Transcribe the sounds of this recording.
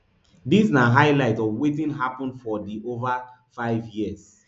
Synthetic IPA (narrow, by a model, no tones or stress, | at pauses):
disnaɦaɪlaɪtɔvwetĩnɦapɔ̃nfɔdiʔova | faɪvjiəs